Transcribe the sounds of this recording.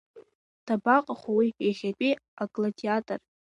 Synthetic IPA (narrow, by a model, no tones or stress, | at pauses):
d̥abaqʼaχʷwieχʲapʼiakʼlatʰʼiatʼar